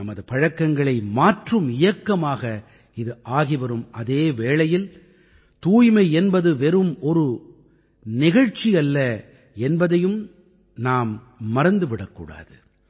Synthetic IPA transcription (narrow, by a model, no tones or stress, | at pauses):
ɐmɐðɯpɐɻɐkːɐŋɡɐɭɐɪmaːʈrɯmɪjɐkːɐmaːɣɐ | ɪðɯʔaːɣiʋɐɾɯmɐðeːʋeːɭɐjɪl | t̪uːjmɐɪɛnbɐðɯʋɛɾɯmɔɾɯ | nɪɣɐɻt͡ʃːijɐlːɐ | ɛnbɐðɐjɯm | naːmː | ɐɾɐnd̪ɯʋɪɽɐkːṵːɽa̰ːðɯ